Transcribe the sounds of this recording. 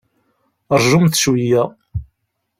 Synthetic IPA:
ɾˤʒʊmθə̥ʃwijæ

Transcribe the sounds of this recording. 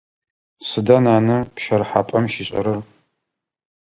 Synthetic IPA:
sɨdɐnaːnɐpʃɐrħaːpʼɐmʃiɕʼɐ̰ɾɨr

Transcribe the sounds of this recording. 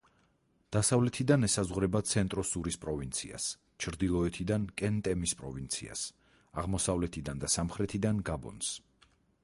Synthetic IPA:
d̪̥asavlɛt̪ʰid̪anɛsazʁɾɛbat̪sʰɛnt̪ʼɾɔsuɾispʼɾɔvint̪sʰḭa̰s | t͡ʃʰɾd̪ilˠɔɛt̪ʰid̪ankʼɛnt̪ʼɛmispʼɾɔvint̪sʰḭa̰s | aʁmɔsavlɛt̪ʰid̪and̪asamχɾɛt̪ʰid̪anɡabɔ̰ns

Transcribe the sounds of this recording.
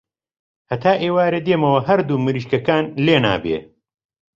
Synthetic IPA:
hɐt̪ʰaːʔeːwaːɾed̪eːmɐwɐhɐɾd̪uːmɨɾiːʃkɐkaːnleːna̰ːbḛː

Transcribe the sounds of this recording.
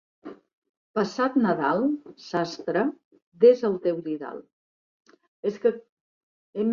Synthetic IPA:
pəsat̪nəðalˠsast̪ɾə | d̪ezəlˠt̪ɛwʎiða̰lˠ | eskə | em

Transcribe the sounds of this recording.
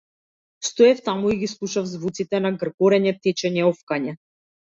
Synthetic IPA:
st̪ɔɛft̪amuiɡislˠuʃavzvut̪sit̪ɛnaɡr̩kɔɾɛɲɛt̪ɛt͡ʃɛɲɛɔfkaɲɛ

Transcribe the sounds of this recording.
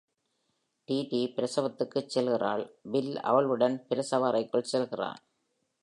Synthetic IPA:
ʈiːʈipɪɾɐsɐʋɐt̪ːɯkːɯt͡ʃːɛlɣɪra̰ːɭbɪlɐ̰ʋɐɭɯɽɐnpɪɾɐsɐʋaːɾɐɪkːɯɭsɛlɣɪra̰ːn

